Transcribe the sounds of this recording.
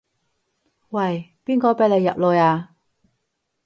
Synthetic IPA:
wɐ˨˩jpiː˥nkɔː˧˥pe˨˧˥le˨˧jːɐ̰˨p̚loː˨˧jaː˧

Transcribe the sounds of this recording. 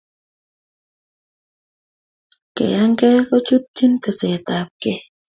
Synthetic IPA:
kḛ˨a˦ŋkɛ˦ko˦t͡ʃu˦t̪̚t͡ʃi˦nt̪e˨se˨t̪a˨p̚ke˦

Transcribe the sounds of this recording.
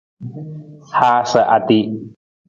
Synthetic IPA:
hʰaː˧sə˨ʔa˨t̪i˧˨

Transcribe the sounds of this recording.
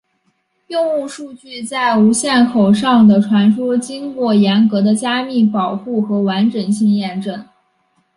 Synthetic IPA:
jʊ˥˧ŋu˥˧ʂu˥˧t͡ɕy˥˧t͡sa˥˩ɪu˧˥ɕjɛ˥˩nkʰo˨˩ʊʂɑ˥˩ŋd̪ə˩ʈ͡ʂʰwa˧˥nʂɔ˥t͡ɕi˥nkwɔ˥˩jɛ˧˥nkɤ˧˥d̪ə˧t͡ɕja˥mi˥˩pɑ˨˩ʊxu˥˩xɤ˧˥wa˧˥nʈ͡ʂə˨˩nɕi˥˧ŋjɛ˥˧nʈ͡ʂɤ˥˩n

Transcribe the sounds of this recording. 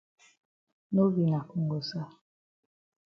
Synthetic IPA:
no˦vi˨na˨ku˨ŋɡo˨sa˦

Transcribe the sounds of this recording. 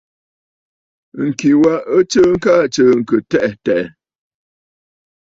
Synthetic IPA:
ŋ̩˨ki˨wa˦ə˦t͡ʃə˦ŋ̩˦ka˦˨t͡ʃəː˦˨ŋ̩˨kə˨tɛ˦ʔtɛ˨ʔ

